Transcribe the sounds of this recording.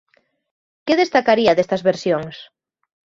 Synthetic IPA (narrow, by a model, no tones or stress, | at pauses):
keðest̪akaɾiɐðest̪ɐzβeɾsjoŋs